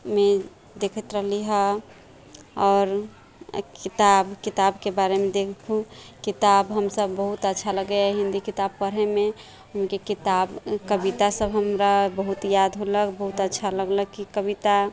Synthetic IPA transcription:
me | d̪eːkʰət̪ɾəɦliɦə | ɔːɾ | kit̪abkit̪abkebaɾemẽd̪ekʰkʰũ | kit̪abɦəmsəbːəɦut̪ətːʃʰaləɡeaɦĩnd̪ikit̪ab̚pəɾɦeme | ʊmkekit̪abkəbit̪asəbɦəmɾabəɦut̪jad̪ɦoləkbəɦut̪ətːʃʰaləɡləɡ̚kikəbit̪a

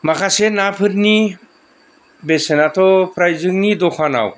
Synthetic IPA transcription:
makʰasenapʰɯɾni | besenatʰɔpʰɾajzɯŋnidɔkʰana̰w

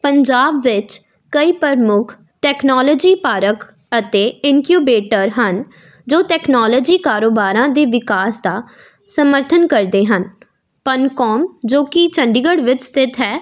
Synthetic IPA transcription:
pəɲd͡ʒaːbʋɪt͡ʃ | kəiːpəɾmʊkʰ | ʈɛːknɔːlɔːd͡ʒiːpaːɾək | ət̪eːɪŋkjuːbeːʈəɾɦən | d͡ʒoːʈɛːknɔːlɔːd͡ʒiːkaːɾoːbaːɾãːd̪eːʋɪkaːsd̪aː | səməɾt̪ʰənkəɾd̪eːɦən | pənkɔːmd͡ʒoːkɪt͡ʃʰəɳɖɪɡəɽʋɪt͡ʃst̪ʰɪt̪ʰɦɛː

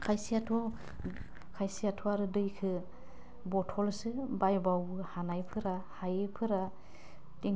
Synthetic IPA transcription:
kʰajsijatʰɔ | kʰajsijatʰɔaɾɯdɯjkʰɯ | bɔtʰɔlsɯbajbawɯhanajpʰɯɾahajepʰɯɾa | teŋ

